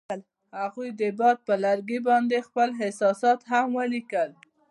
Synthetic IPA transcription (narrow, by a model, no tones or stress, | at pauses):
l | haɣujd̪əbɑd̪̚pəlaɾɡibɑnd̪expəlɦɪsɑsɑt̪ɦamwəlikəl